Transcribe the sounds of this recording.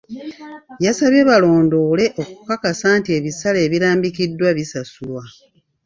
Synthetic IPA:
jasaβjeβalo̞ːndo̞ːle̞ʔo̞kukakasaːntie̞ːβisaleːβiɾaːmbikidːwaβisasulwa

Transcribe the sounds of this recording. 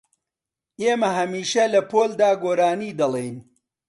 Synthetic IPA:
ʔeːmɐɦɐmiːʃɐlɐpʰoːld̪aːɡoːɾaːniːd̪ɐlˠejn

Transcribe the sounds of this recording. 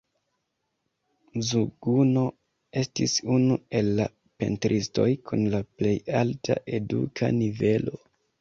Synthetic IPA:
zuɡuno̞ | e̞stisunue̞lːa | pe̞̰ntɾʔisto̞jkʰunlaple̞jaltʰa̰ʔe̞dṵkʰa̰nive̞lo̞

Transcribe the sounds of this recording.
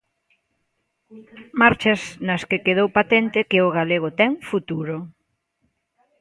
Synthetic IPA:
maɾt͡ʃɐznɐskɪkeð̞owpat̪ɛnt̪ɪkɪʊɣaleɣ̞ʊt̪ɛŋfut̪uɾʊ

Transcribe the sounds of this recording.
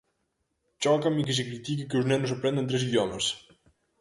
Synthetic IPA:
t͡ʃɔkɐmik̬ɪs̬ɪkɾit̪ikɪkɪuznɛnusɐpɾɛ̃nd̪ẽnt̪̬ɾesiðjɔmɐs

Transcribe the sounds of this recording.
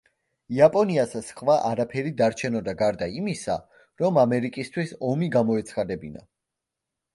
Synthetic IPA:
iapʼɔniasasχvaʔaɾapʰɛɾid̪aɾt͡ʃʰɛnɔd̪aɡaɾd̪aimisa | ɾɔmamɛɾikʼist̪ʰwisɔmiɡamɔɛt̪sʰχad̪ɛbina̰

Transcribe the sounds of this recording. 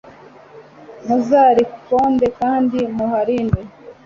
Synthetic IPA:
muzaːɾikkoːndekaːndimuhaɾiːndwe

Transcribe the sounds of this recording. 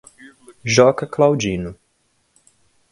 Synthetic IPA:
ʒɔkaklawd͡ʒinu

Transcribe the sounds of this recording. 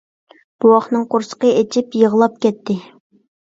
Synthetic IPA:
b̥uwɑχnɨŋqoɾsə̥qəet͡ʃʰɪpjəʁlˠɑp̚kʲɛt̪ʰːɪ

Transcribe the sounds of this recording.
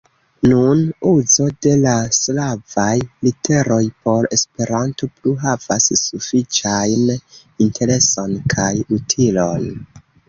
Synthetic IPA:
nunuzo̞de̞laslavajlite̞ɾo̞jpo̞ɾe̞spe̞ɾanto̞pluɦav̥a̰ssufit͡ʃajn | intʰe̞ɾe̞so̞nkʰajutʰilo̞n

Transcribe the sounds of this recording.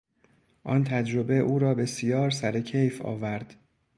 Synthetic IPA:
ʔɒːnt̪ʰæd͡ʒɾo̞be̞ʔuːɾɒːbe̞sijɒːɾsæɾe̞cʰejfɒ̰ːvæɾd̪̥

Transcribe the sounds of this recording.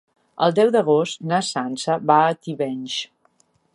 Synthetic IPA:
əlˠd̪ɛwd̪əɣ̞ost̪nəsansəβaət̪iβɛnʲʃ

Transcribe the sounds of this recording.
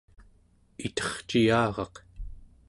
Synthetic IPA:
it̪ʌ̥χt͡ʃijaːʁɑq

